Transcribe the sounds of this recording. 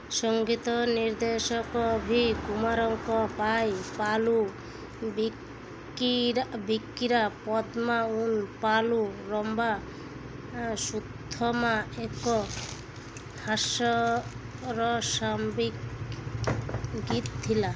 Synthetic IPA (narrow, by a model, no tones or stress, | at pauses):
sɔŋɡit̪ɔniɾd̪esɔkɔbʱikumaɾɔŋkɔpajpalu | bi | ɾabikːiɾapɔd̪maunpaluɾɔmba | sud̪ʱɔmaekɔ | hasɔ | ɾɔsambik | ɡit̪̚t̪ʰːila